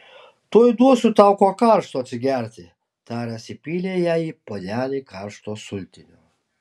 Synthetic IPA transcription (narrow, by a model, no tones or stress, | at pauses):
t̪uɔjd̪uɔsʊt̪ɑʊkoːkɑˑɾʃt̪oːɐt̪ʲsʲɪɡʲæɾʲt̪ʲɪ | t̪ɑːɾʲɛsʲɪpʲiːlʲeːjæːiːpoːd̪ʲæːlʲiːkɑɾʃt̪oːsʊlʲt̪ʲɪnʲoː